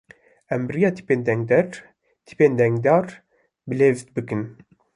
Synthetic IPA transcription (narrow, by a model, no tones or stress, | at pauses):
ɛmbrijɑːt̪ʰi̥peːnd̪ɛŋɡd̪ɛɾ | t̪ʰi̥peːnd̪ɛŋɡd̪ɑːɾ | bɨleːvt̪bɨkɨn